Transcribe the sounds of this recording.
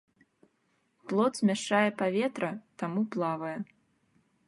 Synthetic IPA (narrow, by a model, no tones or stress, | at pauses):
plˠɔt̪sʲmʲaʂt͡ʂajɛpavʲɛt̪ɾɐt̪amuplˠavɐjɛ